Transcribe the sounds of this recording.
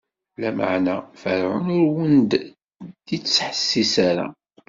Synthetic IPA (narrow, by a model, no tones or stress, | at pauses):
læma̰ʕnæfəɾʕʊ̰nʊɾwənd̪ | d̪it͡sːsħə̥sːisaɾæ̰